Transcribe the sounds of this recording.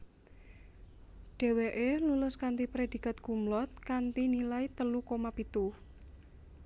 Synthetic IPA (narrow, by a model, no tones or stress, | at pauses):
ɖ̥e̤weʔelulʊskant̪ipɾed̪̥i̤kat̪̚ɡ̥ṳmlɔt̪̚kant̪inilait̪əlukomapit̪u